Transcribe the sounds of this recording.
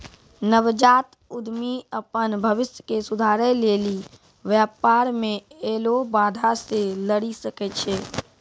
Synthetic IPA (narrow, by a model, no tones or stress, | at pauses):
nəʋd͡ʒaːt̪ | ʊd̪miəpənbʱəʋɪsjəkesʊd̪ʱaːɾəleːli | ʋjaːpaːɾmẽeːlobaːd̪ʱaseləɽisəkɛt͡ʃʰeː